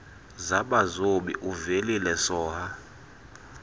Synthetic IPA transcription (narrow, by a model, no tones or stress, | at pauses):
zaɓazoɓḭʔuvelilɛsɔːha